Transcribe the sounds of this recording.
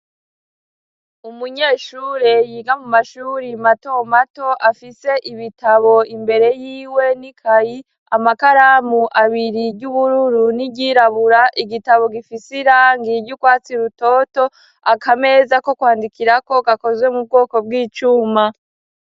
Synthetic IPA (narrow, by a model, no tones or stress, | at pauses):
umuɲe̞ːʃuːɾe̞jiːɡamumaʃuːɾimato̞mato̞ʔafise̞ʔiβitaβo̞imbe̞ɾe̞jiːwe̞nikʰaji | amakaɾamuʔaβiɾiɟuβuɾuɾuniɟiɾaβuɾaʔiɡitaβo̞ɡifisiɾaːŋɡiɟukwaːt͡siɾuto̞ːto̞ | akame̞zako̞kwaːndikiɾako̞ɡako̞zwe̞mub̚ɡo̞ːko̞bɡiːt͡ʃuːma